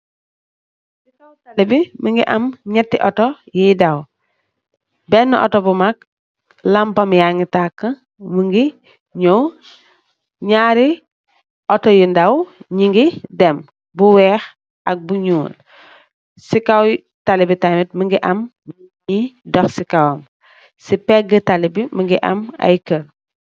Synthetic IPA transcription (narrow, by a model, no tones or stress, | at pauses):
sikawtalibimiŋɡiʔɐmɲɛtːiʔɔtɔ | jidɐw | bɛnːɔʔɔ̰tɔbumak̚ | lampɐmjaŋitakːɐ | miŋɡi | ɲow | ɲaːɾi | ʔɔtɔjindɐwɲiŋɡidɛm | buwɛːx | ʔɐk̚buɲuːn | sikaw | talibitamit̚məŋɡiʔɐm | idɔxsikawɐm | sipɛɡətalibiməŋɡiʔɐ̰ma̰jkəl